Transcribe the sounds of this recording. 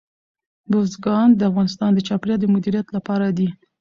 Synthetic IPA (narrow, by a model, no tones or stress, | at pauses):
bozɡɑnd̪əafɣɑnɪst̪ɑnd̪ət͡ʃɑpɾjɑd̪əmʊd̪iɾijat̪lapɑɾad̪i